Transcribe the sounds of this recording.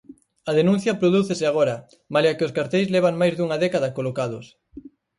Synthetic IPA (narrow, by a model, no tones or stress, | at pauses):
ɐðenũn̟θjɐpɾoðuθesɪaɣ̞oɾɐ | malakɪoskaɾt̪ejzlɛβ̞aŋmajzðuŋɐðɛkaðɐkolokað̞ʊs